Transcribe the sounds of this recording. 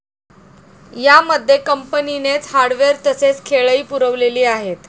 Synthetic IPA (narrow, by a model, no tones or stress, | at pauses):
jaməd̪ʱːjekəmpəninet͡shaɾɽʋeɾt̪əset͡skʰeɭəiːpuɾəʋleliːaɦet̪